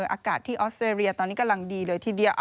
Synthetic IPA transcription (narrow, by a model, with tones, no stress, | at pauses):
ʔaː˧kaː˨˩t̪ʰːiː˥˩ʔɔː˦˥st̪ɾeː˧ɾi˧ɐt̪ɔː˧nːiː˦˥ka˧mla˧ŋdiː˧lɤː˧jt̪ʰiː˥˩di˧ʔ